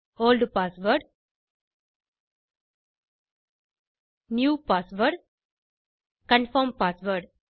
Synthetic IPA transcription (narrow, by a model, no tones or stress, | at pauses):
oːlɖpaːsʋəɾɖ | njuːpaːsʋəɖ | kə̃nfɔɾmpaːsʋəɾɖ